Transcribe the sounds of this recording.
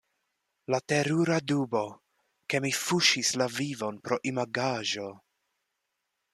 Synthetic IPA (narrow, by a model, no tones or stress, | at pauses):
late̞ɾuɾadubo̞ | ke̞mifuʃislavivo̞npɾo̞ʔimaɡaʒo̞